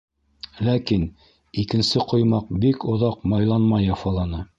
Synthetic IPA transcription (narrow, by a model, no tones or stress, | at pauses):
lækin | ikɘ̆nsɘqŏjmɑq̚bikŏðɑqmɑjlˠɑnmɑjɑfɑlˠɑnɤ